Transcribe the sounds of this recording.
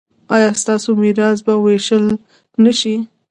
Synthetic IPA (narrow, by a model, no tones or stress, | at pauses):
ɑjɑst̪ɑsomiɾɑs̬baweʃəl | naʃi